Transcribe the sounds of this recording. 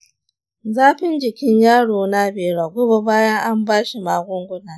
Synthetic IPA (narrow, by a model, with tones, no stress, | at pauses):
zaː˦ɸɪ˦nd͡ʒɪ˨kʲɪ˦ɲjaː˦ɽoː˨na˦beː˨ɽaː˨ɡʷʊ˦bo˨baː˦jɐ˦ŋʔa˦mbaː˦ʃi˨maː˨ɡʷʊ˦ŋɡʷʊ˦naː˨